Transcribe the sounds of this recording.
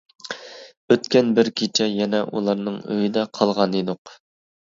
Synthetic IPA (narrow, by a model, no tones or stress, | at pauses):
øt̪kʲɛnbɪɾkʲʰet͡ʃʰɛjɛnɛʔṵlˠɑɾnɨŋø̰jid̪ɛqʰɑlˠʁɑned̪ʊq